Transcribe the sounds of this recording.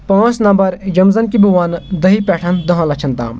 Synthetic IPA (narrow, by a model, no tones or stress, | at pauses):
pãːt͡snɐ̃mbɐɾd͡ʒɐmzənkibuʋaːnd̪ɐɦipɛːʈʰɐnd̪ɐɦãlɐt͡ʃʰɐnt̪ã̰ːm